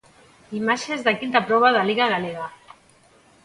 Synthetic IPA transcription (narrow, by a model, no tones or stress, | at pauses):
imaʃezðakint̪apɾɔβ̞aðaliɣaɣ̞aleɣa